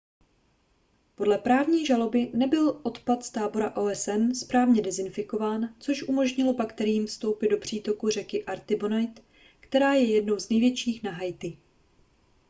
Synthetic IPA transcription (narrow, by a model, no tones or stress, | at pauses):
po̞dlɛpɾaːvɲiːʒalo̞bɪnɛbɪlʔo̞t̪pat̪st̪aːbo̞ɾaʔoːɛsɛnspɾaːvɲɛdɛzɪnfɪko̞vaːnt͡so̞ʃʔumo̞ʒɲɪlo̞pakt̪ɛɾɪiːmfst̪o̞wpɪd̚do̞pr̝̥iːt̪o̞kur̝ɛkɪʔaɾt̪ɪbonajt̪ | kt̪ɛɾaːjɛjɛdno̞wznɛjvjɛt͡ʃiːxnaɦajt̪ɪ